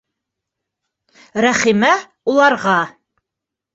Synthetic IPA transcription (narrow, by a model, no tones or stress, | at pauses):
ɾæχimæ | ulˠɑɾʁɑ